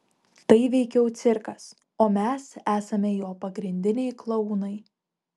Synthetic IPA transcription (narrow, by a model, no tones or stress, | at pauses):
t̪ɐɪʋʲɛɪkʲɛʊt̪sʲɪɾkɐs | oːmʲɛsæːsɐmʲɛjoːpɐɡɾʲɪnʲd̪ʲɪnʲɛɪklˠɐnɐɪ